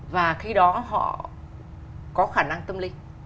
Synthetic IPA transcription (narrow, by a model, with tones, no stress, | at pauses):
vaː˨˩xi˧ɗɔ˨˦ɦɔ̰˧˨ | kɔ˨˦xaː˧˩na˧ŋt̪ə˧mlï˧ŋ